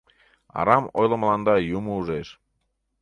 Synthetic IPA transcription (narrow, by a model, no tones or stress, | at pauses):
ɑ̰ɾɑmo̰jlə̆mlɑnd̪ɑjumouʒeʃ